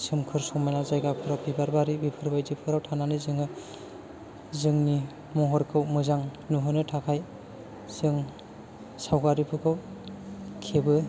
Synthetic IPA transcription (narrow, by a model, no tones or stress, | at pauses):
sɯmkʰɯɾsɔŋmajnazajɡapʰɯɾawbibaɾbaɾibipʰɯɾbajdipʰɯɾawtʰananizɯŋɯ | zɯŋni | mɔɦɔɾkʰɯwmɯzaŋnuɦɯnɯtʰakʰaj | z̥ɯŋ | sawɡaɾipʰɯkʰɯw | kʰebɯ